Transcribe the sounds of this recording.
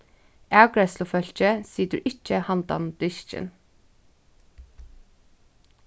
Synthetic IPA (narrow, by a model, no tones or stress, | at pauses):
ʔæːɡɹɛslʊfœçc͡çəsiːd̪ʉːʔɪc͡çəhɑnd̪ɑ̰nd̪̥ʏʃt͡ʃə̰n